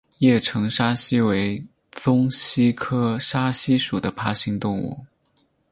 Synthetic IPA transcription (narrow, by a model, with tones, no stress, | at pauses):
jɛ˥˩ʈ͡ʂʰɤ˧˥ŋʂa˥ɕi˥we˧˥ɪ | t͡sʊ˥ŋɕi˥kʰɤ˥ʂa˥ɕi˥ʂu˨˩d̪ə˦pʰa˥ɕi˧˥ŋt̪ʊ˥˧ŋṵ˥˩